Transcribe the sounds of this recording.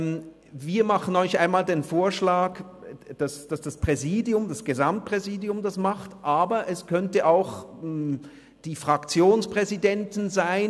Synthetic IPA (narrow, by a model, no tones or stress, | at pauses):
m | viːɐmaχən̩ɔʏçʔaɪnmaːldeːnfoːɐʃlaːk | d̥asd̥asd̥aspʁ̥ɛziːdjʊmd̥asɡ̥ezamt̚pʁ̥ɛziːdjʊmdasmaχtʔaːbɐʔɛskʰœntəʔaʊx | d̥iːfʁ̥akt͡sjoːnspʁ̥ɛzidɛntɪnzaɪn